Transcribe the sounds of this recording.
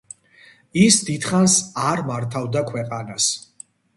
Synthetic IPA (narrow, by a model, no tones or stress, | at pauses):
isd̪id̪̥χansaɾmaɾt̪ʰavd̪akʰwɛqʼanas